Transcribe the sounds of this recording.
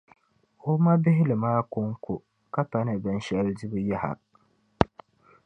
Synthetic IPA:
o˦ma˦bɪ˦ɦɪ˦lɨ˨maː˦kʊ˦ŋkʊ˨ | ka˦pa˨nɨ˨bɨ˨n˨ʃɛ˨ldi˦bɨ˦ja˦ha̰˨

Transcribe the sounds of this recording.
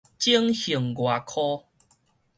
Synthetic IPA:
t͡ɕi˦əŋhi˨˩ŋɡwa˨˩kʰɔ˦

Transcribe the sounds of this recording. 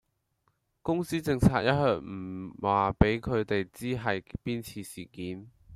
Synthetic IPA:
kʊ˥ŋsiː˥t͡sɪ˧ŋt͡sʰaː˧t̚jɐ˥t̚hœː˧˩k̚m̩˨˩waː˨˩pe˨˥jkʰɵ˨˧ɥt̪e˨jt͡siː˥ɦɐ˨jpiː˥nt͡sʰiː˨˧siː˨˩kiː˨˥n

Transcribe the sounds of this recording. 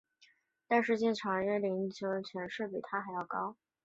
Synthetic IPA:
t̪a˥˧nʂ̬ɻ̩˥˧t͡ɕɛ˥˩nʈ͡ʂʰɑ˧˥ŋ˧ɛ˥˩li˧˥nt͡ɕʰjo˧˥˧t͡ɕʰɥɛ˧˥nʂɻ̩˥˩pi˨˩t̪ʰa˥xa˧˥ɪjɑ˥˩ʊkɑ˥ʊ

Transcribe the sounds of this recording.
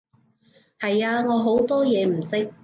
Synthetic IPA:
hɐ˨jaː˧ŋɔː˨˧ɦo˨˥wt̪ɔː˥jɛː˨˧m̩˨˩sɪ˥k̚

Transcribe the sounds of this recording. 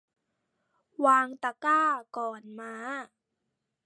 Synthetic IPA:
waː˧ŋt̪a˧kaː˥˩kɔː˨˩nmaː˧

